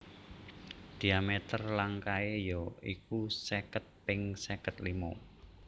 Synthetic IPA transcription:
d̪̥i̤amet̪ərlaŋkaejoikusekət̪̚pɪŋsekət̪limo̰

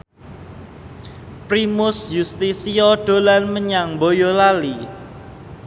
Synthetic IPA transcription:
pɾimʊsjust̪isiɔɖ̥o̤lanməɲaŋmbojɔlali

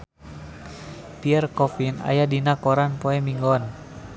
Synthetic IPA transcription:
piɛrkɔfina̰jadinakɔɾanpɔɛmiŋɡɔn

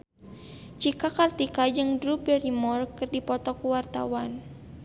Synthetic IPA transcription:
t͡ʃikakart̪ikad͡ʒɨŋdɾupɛrimɔrkɨrdipɔt̪ɔkuwart̪a̰wan

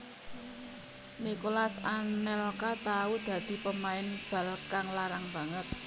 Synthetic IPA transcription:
nikolasanɛlkat̪aud̪̥ä̤d̪̥i̤pəmaɪnb̥a̤lkaŋlaɾaŋb̥a̤ŋət̪̚

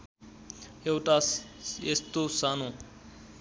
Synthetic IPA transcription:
ewʈaest̪osano

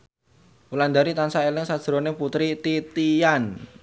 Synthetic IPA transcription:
uland̪aɾit̪ansaelɪŋsad̥ʒ̥ɾoneput̪ɾit̪it̪ijan

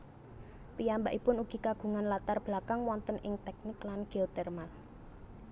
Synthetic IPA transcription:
piambaʔipʊnuɡ̥i̤kaɡ̥ṳŋanlat̪arb̥lakaŋwɔnt̪ənʔɪŋt̪ɛk̚nɪklanɡ̥elt̪ɛrmal

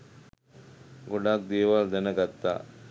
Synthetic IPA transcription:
ɡɔɖaːk̚d̪eːʋaːld̪ɐnɐɡɐt̪ːa̰ː

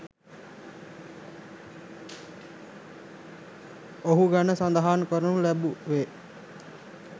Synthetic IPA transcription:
oɦuɡanəsand̪aɦaːnkəɾənulæbuʋe

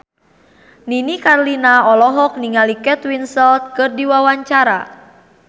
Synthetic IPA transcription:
ninikarlinaɔlɔɦɔk̚niŋalikɛt̪winsɛlt̪̚kɨrdiwawaɲt͡ʃaɾa̰

